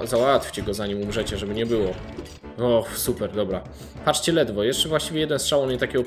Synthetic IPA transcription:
zawat̪fʲt͡ɕɛɡɔzaɲimumʐɛt͡ɕɛʐɛbɘɲɛbɘwɔ | ɔxsupɛɾd̪ɔbɾa | pat͡ʂt͡ɕɛlɛd̪vɔjɛʂt͡ʂɛvwaɕt͡ɕivʲjɛjɛd̪ɛnstʂawɔmɲɛt̪akʲɛɡɔ

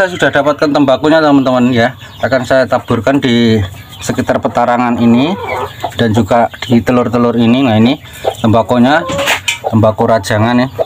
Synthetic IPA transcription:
sajasud̥ahdapat̪̚kant̪əmbakoɲat̪əmənt̪əmənja | sakansajat̪ab̥ṳrkandi | səkit̪arpət̪aɾaŋanini | d̥and͡ʒuɡad̥it̪əlʊrt̪əlʊriniŋaini | t̪əmbakoɲat̪əmbakoɾad̥ʒ̥a̤ŋanɪ

